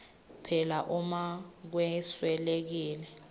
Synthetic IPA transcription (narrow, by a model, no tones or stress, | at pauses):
pʰɛlaʔumak̬wɛswɛlek̬iːlɛ